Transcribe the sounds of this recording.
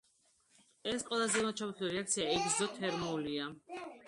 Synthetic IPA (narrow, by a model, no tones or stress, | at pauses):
ɛsqʼwɛlˠazɛmat̪t͡ʃʰabit̪ʰuliɾɛak̚t̪sʰiaɛɡzzɔt̪ʰɛɾmulia